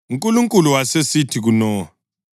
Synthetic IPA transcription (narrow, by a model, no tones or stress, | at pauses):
uŋkʼuluŋkʼuluwasesitʰiɣunɔː